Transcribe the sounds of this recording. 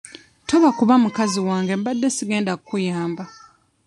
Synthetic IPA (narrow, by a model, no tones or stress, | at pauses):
to̞βakuβamukaziwaːŋɡe̞mbadːe̞siɡe̞ːndakukujaːmba